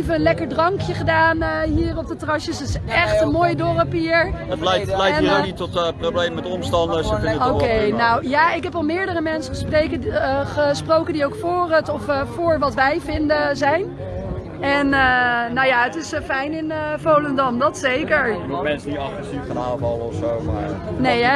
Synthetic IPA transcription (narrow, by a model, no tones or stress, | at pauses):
vəənlɛkəɹdrɑŋkjəχədaːnəɦiːrɔb̚dətrɑʃəsətɪsɛχtənmoːjdɔrəpiːɹətlɛlɛjnioknitːɔtproblejmmɛtɔmstɑndəsəkɪnokejnawjaːɪkɦɛpɑlˠmɪːɹdərəmɛnsəχəspreɥkəχəsprowkəndiowkfʊːrətɔffʊːɹʋɑtʋɛjvɪndəzɛjn | ɛnənowjaːətɪsfɛjnɪnəfowləndɑmdɑtsejkəɹmɛnsənitɑχrɛsifkana̰ːlvɑləɔfsowma̰neja